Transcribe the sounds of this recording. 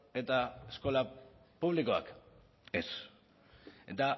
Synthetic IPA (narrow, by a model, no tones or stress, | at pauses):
e̞t̪aesko̞la | puβliko̞a̰k | es | d̪a